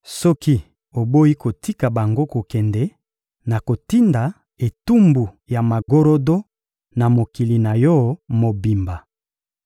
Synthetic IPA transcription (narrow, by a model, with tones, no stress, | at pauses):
sɔ˦ki˦ | o˨bo˦i˦ko˨ti˦ka˨ba˨ŋɡo˦ko˨kɛ˨ndɛ˨˦ | na˨ko˨ti˦nda˨ | e˨tu˦mbu˨ | ja˨ma˨ɡo˦ɾo˦do˦ | na˨mo˨ki˨li˨na˨jɔ˦mo˨bi˨mba˨